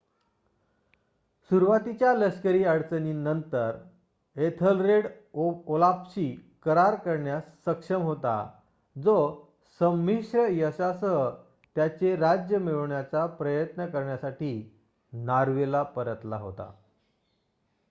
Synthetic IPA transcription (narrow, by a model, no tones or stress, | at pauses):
suɾʋat̪it͡ɕjaləskəɾiːəɽt͡səninənt̪əɾ | et̪ʰəlɾeɽ | olapɕiːkəɾaɾkəɾɳjasːəkʂəmɦot̪a̰ | d͡zo | səmːiɕɾəjəsasə | t̪jat͡ɕeɾad͡ʑjəmeɭɳjat͡sapɾəjət̪nəkəɾɳjasaʈiː | naɾʋelapəɾət̪la̰ɦo̰t̪a̰